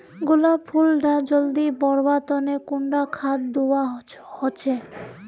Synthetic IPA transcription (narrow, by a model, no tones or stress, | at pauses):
ɡulapʰulɖad͡ʑold̪ibɔɾbat̪ɔnekuɳɖakʰat̪d̪uwa | hot͡ɕʰe